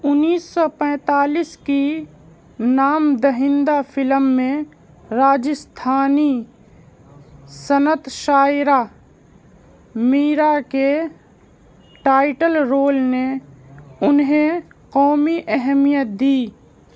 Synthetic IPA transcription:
ʊnːiːsːɔpɛ̃ːt̪aːliːski | naːmd̪əɦɪ̃nd̪afʰɪləmːẽ | ɾaːd͡ʒəst̪ʰaːni | sənət̪ʃaːjɾa | miːɾake | ʈaːɪʈəlɾoːlne | ʊnɦẽqɔːmiʔɛɦmijət̪̚d̪iː

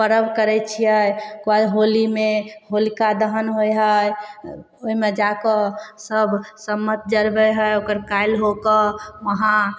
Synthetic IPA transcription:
pəɾəbkəɾɛt͡ʃʰijəjkoaɦolimeɦolikad̪əɦənɦojɦəj | oimed͡ʒakəsəbsəmːət̪̚d͡ʒəɾbɛɦəjokəɾkajlɦokəməɦã

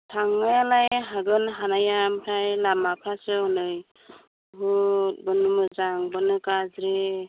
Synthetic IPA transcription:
tʰaŋːajalajɦaɡɯnɦanajampʰɾajlamapʰɾasɯɔnɯj | ɦut̚bɯnɯmɯzaŋbɯnɯkazɾe

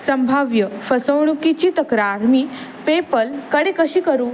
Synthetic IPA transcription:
səmbʱaʋjəfʰəsəwɳ̃ũkit͡ʃit̪əkɾaːɾmi | pepəlkəɽekəʃikəɾũ

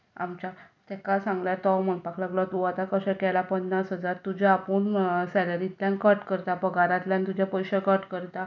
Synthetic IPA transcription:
a̰mt͡ɕat̪ɛkasãŋɡljat̪ɔmənpaklaɡlat̪uat̪akəsɛ̃kɛlapənːasɦəd͡zaɾt̪ud͡ʑaːpuɳsɛləɾit̪ljãnkəʈkəɾt̪apəɡʱaɾãt̪ljãnt̪ud͡ʑʱjapəjɕəkəʈkəɾt̪a

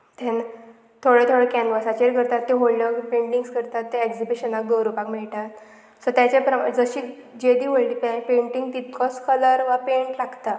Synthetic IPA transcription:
t̪ʰẽn | t̪ʰoɽet̪ʰoɽekɛ̃nʋəsat͡ɕeɾkəɾt̪at̪ːẽɦolnəkpẽɳʈiŋɡskəɾt̪at̪ːeeɡd͡zibiɕənak̚d̪oɾupakmɛɭʈ̪at̪ | sɔt̪jat͡ɕepɾəd͡zəɕiː | d͡ʑed̪iːʋəɭlipɛpẽɳʈiŋɡt̪it̪kʰɔskʰələɾʋapeɳʈlaɡt̪a

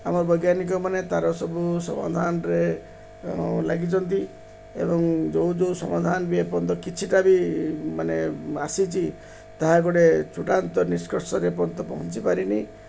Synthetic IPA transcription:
amɔɾbɔjɡjanikɔmanet̪aɾɔsɔbusɔ̰ma̰d̪ʱanɔɾe | laɡit͡ʃɔnt̪i | ḛbɔŋd͡ʒowd͡ʒowsɔ̰mad̪ʱanɔbiepɔnt̪ɔkit͡ʃʰiʈabimaneasit͡ʃʰi | t̪aɦaɡɔɽet͡ʃuʈant̪ɔniskɔɾsɔɾep̬ɔnt̪ɔpɔ̰ɦɔ̃nt͡ʃipaɾini

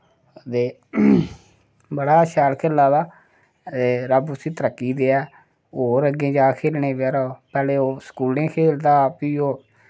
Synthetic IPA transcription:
t̪eː | bəɽaːʃɛːlkʰelːaːd̪aː | t̪eːɾəbʊsĩːt̪əɾəkːiːd̪eːɛː | oːɾəɡẽːd͡ʒaːkʰeːlɳeːbːɾoːpɛːleːoːskuːllẽːkʰeːld̪aːpiːoː

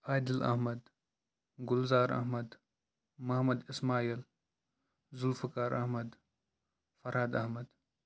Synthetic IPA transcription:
aːd̪ɪlɐ̰hmɐd̪ | ɡʊlzaːɾɐ̰ɦmɐd̪ | mɐhmɐd̪ɪsmaːil | zʊlfɐkaːɾʔɐ̰hmɐd̪ | fɐɾhad̪ɐhmɐd̪

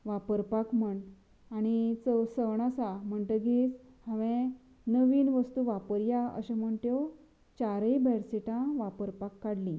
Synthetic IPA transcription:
ʋapəɾpakm̤əɳ | añit͡səsəɳ̃asam̤əɳt̪əɡiːt͡s | hãʋẽ | nəʋiːnʋəst̪uʋapəɾjaə̰ɕãm̤əɳt̪jo | t͡ɕaɾəjbɛɽsiʈãʋapəɾpakːaɽlĩ

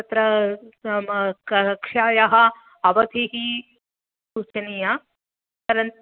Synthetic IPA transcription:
ɐt̪ɾɐ | kʂaːjɐɦɐ̆ | ɐʋɐd̪ʱiɦi | suːt͡ʃɐnijɐ | tɐɾɐn

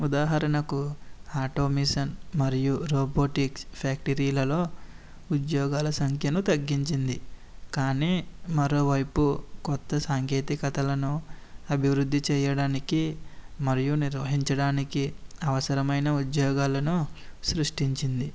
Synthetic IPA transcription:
ud̪aːɦɐɾɐnɐkuaːʈoːmiːsɐnmɐɾijuɾoːboːʈikpʰjaːk̚ʈiɾiːlɐlo̞ː | ud̪jɔːɡaːlɐsɐŋkʰjɐnut̪ɐɡːiɲt͡ʃind̪ikaːniːmɐɾo̞ːʋɐjpukɔt̪ːɐsaːŋkeːt̪ikɐt̪ɐlɐnuɐbʱiʋɾud̪ːit͡ʃɛːjɐɽaːnikimɐɾijuniɾʋɐɦiɲt͡ʃɐɽaːnikiɐʋɐsɐɾɐmɐjnɐud̪jɔːɡaːlɐnusɾuʂʈiɲt͡ʃind̪i

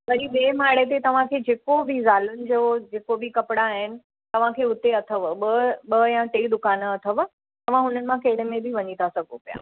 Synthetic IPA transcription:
ʋɐɾiɓeːmaːɽet̪̬et̪ɐʋ̤ãkʰeːd͡ʑeːkobʱizaːlʊnɪ̆d͡ʑod͡ʑeːkobɪkɐpɪɽaːɦɪnɪ̆ | t̪ɐʋ̤ãkʰeːʊt̪eɐt̪ʰəʋɓəɓɐjãʈeːd̪ʊkaːnəɐt̪ʰəʋ | t̪ɐʋ̤ãɦʊnənɪ̆mãkɐɦɪɽemẽbʱɪʋɐɲit̪ʰasɐɡʱo̰pija̰ː

